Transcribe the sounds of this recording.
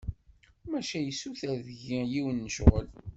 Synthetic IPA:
mæʃæjəsuθæðəʝijiwənːəʃʁə̰l

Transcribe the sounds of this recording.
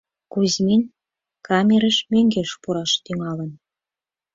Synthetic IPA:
kuzmin | kɑmʲeɾəʃmøŋɡeʃpuɾɑʃt̪yŋɑlən

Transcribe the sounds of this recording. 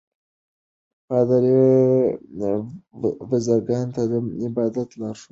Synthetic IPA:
pɑd̪aɾi | wazaɾɡɑnt̪ad̪əɪbɑd̪at̪lɑɾʂu̥

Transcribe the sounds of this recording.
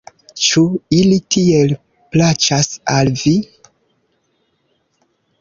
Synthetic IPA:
t͡ʃuilitʰiel | plat͡ʃasalvi

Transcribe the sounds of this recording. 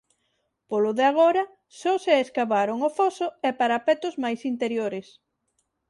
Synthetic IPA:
polʊðeaɣ̞ɔɾɐ | sɔseeskaβaɾoŋʊfɔsʊɛpaɾapɛt̪ʊzmajsint̪eɾjoɾɪs

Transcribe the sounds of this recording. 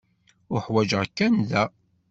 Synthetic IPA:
ʊħwæd͡ʒəʁkːænðæ

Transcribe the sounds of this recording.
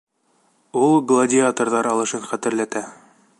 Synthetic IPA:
ulˠɡlˠɐdʲɪat̪orðɑɾɑlˠɤ̆ʃɤnχæt̪ɘ̆ɾlæt̪æ

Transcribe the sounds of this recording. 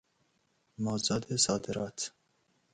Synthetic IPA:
mɑːzɑːd̪esɑːd̪ɨɾɑːt̪

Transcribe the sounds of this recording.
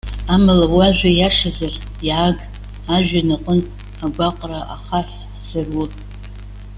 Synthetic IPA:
amalawaʒʷajaʂazar | jiʕaɡ | aʒᶣanaqʼən | aɡʷaqʷʼraʔa̰χaħ | zarwutʼ

